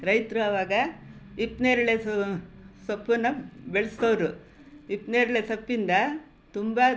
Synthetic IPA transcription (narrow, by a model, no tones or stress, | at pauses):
ɾɐjt̪ɾuɐʋaːɡɐipneːɾɐɭe | sɐpːɐnːɐbeɭɐst̪ɐʋɾu | ipneːɾɐɭesɐpːind̪ɐ | t̪umbɐ